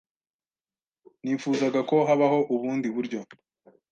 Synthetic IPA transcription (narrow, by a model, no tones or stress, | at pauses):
niːfuːzaɡako̞ɦaβaho̞ʔuβuːndiβuɾɟo̞